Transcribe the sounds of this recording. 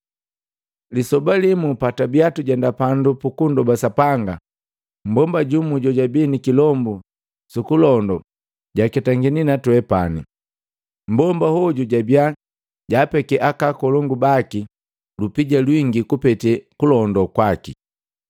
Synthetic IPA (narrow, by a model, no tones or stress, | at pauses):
lisɔbalimupatabiatuɟandapandupukundɔbasapaŋɡa | m̩bɔmbaɟumuɟɔɟabinikilɔmbu | sukulɔndɔ | ɟakɛtaŋɡininatwɛpanḭ | m̩bɔmbahɔɟuɟabia | ɟaːpɛkɛʔakakɔlɔŋɡubaki | lupiɟalwiŋɡikupɛtɛkulɔndɔkwaki